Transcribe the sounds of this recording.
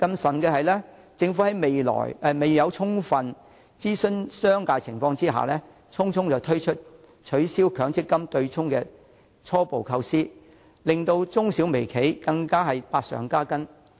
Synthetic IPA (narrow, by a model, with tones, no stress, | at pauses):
kɐ˧msɐ˨˩nkɛː˧ɦɐ˨jlɛː˥ | t͡sɪ˧ŋfu˨˥hɐ˨˥jme˨jlɔ̰ː˨˩jɛ˨˧me˨jjɐ˨˧wt͡sʰʊ˥ŋfɐ˨n | t͡siː˥sɵ˥nsœː˥ŋkaː˧jt͡sʰɪ˨˩ŋfɔː˧ŋt͡siː˥ɦa̰ː˨˩lɛː˥ | t͡sʰʊ˥ŋt͡sʰʊ˥ŋt͡sɐ˨wt̪ʰɵ˥ɥt͡ʃʰɵ˥t̚ | t͡ʃʰɵ˨˥ɥsiː˥wkʰœː˨˥ŋt͡sʰɪ˥kːɐ˥mt̪ɵ˧ɥt͡sʰʊ˥ŋkɛː˧ | t͡ʃʰɔː˥po˨wkʰɐ˧wsiː˥ | lɪ˨˩ŋt̪o˧wt͡sʊ˥ŋsi˨˥wme˨˩jkʰe˨˥jkɐ˧ŋkaː˥ɦɐ˨jpaː˧t̚sœ̰ː˨˩ŋkaː˥kɐ˥n